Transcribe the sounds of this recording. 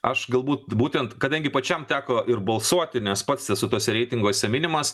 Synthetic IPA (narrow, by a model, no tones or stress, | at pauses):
ɐʃɡɐlˠbuːt̪buːt̪ʲɛnt̪kɐd̪ɐŋʲɡʲɪpɐt͡ʃʲɛmt̪ʲæːkoːʔɪɾbɐlˠsuɔt̪ʲɪnʲɛspɐt̪sʲɛsʊt̪uɔsʲɛɾʲɛɪt̪ʲɪŋɡuɔsʲɛmʲɪnʲɪmɐs